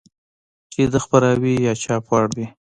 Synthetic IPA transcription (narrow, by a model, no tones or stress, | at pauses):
t͡ʃed̪əxpaɾɑwijɑt͡ʃɑpɑɽwi